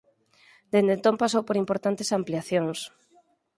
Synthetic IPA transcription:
d̪end̪ent̪ompasowpoɾimpoɾt̪ant̪esampliaθjõŋs

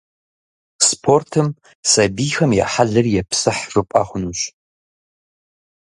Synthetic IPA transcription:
spʰortʰɨm | sɐbiːxɐmja̰ħaɮɐrjɛpsɨħrɨpʼa̰ːχʷʊnuːɕ

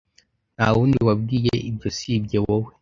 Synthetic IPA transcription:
nhawuːndiwab̚ɡijeibɟosib̚ɟewowe

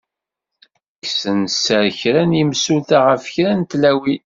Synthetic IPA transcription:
ksənsəɾçɾænimsuθaʁəfçɾænt̪læwi

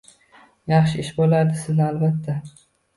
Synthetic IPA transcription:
jɑχʃɪɪʃbolaɾd̪ɪsɪznalbat̪ʰːa

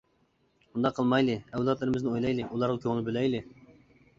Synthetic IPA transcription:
und̪ɑqʰːəlˠmɑjlˠɨɛwlˠɑt̪lˠɨɾɪmɪznɪojlˠɑjlˠɨʔulˠɑɾʁˠkʲʰøŋɪlbølɛjlɪ

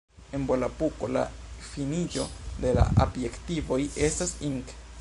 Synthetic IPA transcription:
enbolapuko̞la̰finid͡ʒo̞d̪e̞la̰ʔabjektivo̞jestasiŋk

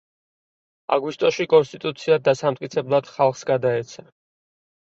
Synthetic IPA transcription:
a̰ɡwist̪ʼɔʃikʼɔnst̪ʼit̪ʼut̪sʰiad̪asamt̪ʼkʼit̪sʰɛblˠad̪̥χalˠχsɡad̪aɛt̪sʰa

